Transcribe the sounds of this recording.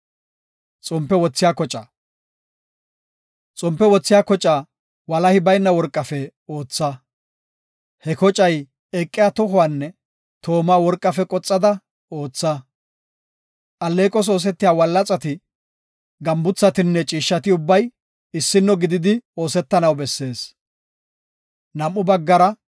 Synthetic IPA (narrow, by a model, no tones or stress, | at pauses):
t͡sʼɔmpːɛwɔt͡sːɪjaːkɔt͡ʃʼɐ | t͡sʼɔmpːɛwɔt͡sːɪjaːkɔt͡ʃʼa | wɐlɐhɪbɐjnːɐwɔɾkʼːɐfɛoːt͡sːɐ | hɛkɔt͡ʃʼɐj | ɛkʼːɪjaːt̪ɔɦʊwanːɛ | t̪ʰo̞ːmaːwɔɾkʼːɐfɛkʼɔt͡sʼːɐd̪ɐ | o̞ːt͡sːɐ | ʔɐlːe̞ːkʼɔs̬o̞ːs̬ɛt̪ːɪjaːwɐlːɐt͡sʼɐt̪ɪ | ɡɐmbʊt͡sːɐt̪ɪnːɛt͡ʃʼiːʃːɐt̪ɪʊbːɐj | ɪsːɪnːɔɡɪd̪ɪd̪ɪo̞ːsɛt̪ːɐnɐwbɛsːe̞ːs | nɐmʔːʊbɐɡːɐɾɐ